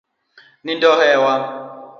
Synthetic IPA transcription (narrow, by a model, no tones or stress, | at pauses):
nindɔɦɛːwa